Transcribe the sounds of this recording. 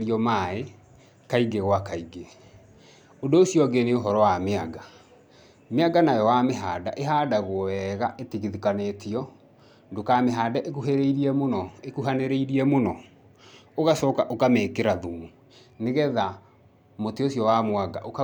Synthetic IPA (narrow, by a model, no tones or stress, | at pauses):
ɾiɔmae | kaiɡeɣwakaiɡe | odoːsjɔɡeneoɦɔɾɔwameaɡa | meaɡanajɔwameɦaːdaʔeɦadaɣoɛɣaʔetiɣiðikanetʰiɔ | dokameɦaːdaʔekuɦeɾeiɾiɛmonɔekuɦaneɾeiɾiɛmonɔ | oɣasɔkaʔokamekeɾaðumu | neɣɛða | moteosjɔwamwaɡa̰ʔok